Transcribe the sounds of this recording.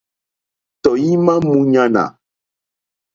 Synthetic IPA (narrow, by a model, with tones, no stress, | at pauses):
t̪ɔ˨ji˦mã˦mũ˦ɲã˦nã̰˨